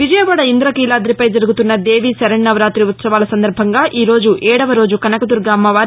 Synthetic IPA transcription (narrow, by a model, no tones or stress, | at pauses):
ʋid͡ʒɐjɐʋaːɽɐind̪ɾɐkiːlaːd̪ɾipɐjd͡ʒɐɾuɡut̪unːɐd̪e̞ːʋisɐɾɐɳːɐʋɐɾaːt̪ɾiut̪sɐʋaːlɐsɐnd̪ɐɾbʱɐŋɡaːʔiːɾo̞ːd͡ʒuʔɛːɽɐʋɐɾo̞ːd͡ʒukɐnɐkɐd̪uɾɡaːmːɐʋaː